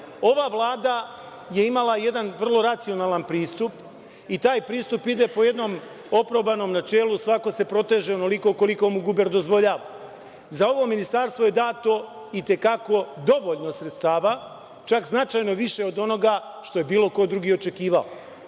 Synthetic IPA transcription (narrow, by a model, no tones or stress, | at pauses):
o̞ʋaʋlˠaːd̪a | je̞imalˠaje̞d̪anʋr̩lˠo̞ɾat̪sio̞naːlˠanpɾiːst̪up | it̪aːjpɾiːst̪upid̪e̞po̞je̞d̪no̞ːm | o̞pɾobano̞ːmnat͡ʃe̞ːlˠusʋako̞se̞pɾo̞t̪e̞ːʒeono̞liko̞ko̞liko̞muɡubeɾd̪o̞zʋo̞ʎaːʋa | zao̞ʋo̞minist̪aɾst̪ʋo̞je̞d̪aːt̪o̞ | it̪e̞kako̞d̪o̞ʋo̞ʎno̞sɾet̪st̪aːʋa | t͡ʃakznat͡ʃajno̞ʋiʃe̞od̪o̞no̞ɡa | ʃt̪o̞je̞biːlo̞ko̞d̪ɾuɡio̞t͡ʃe̞kiːʋala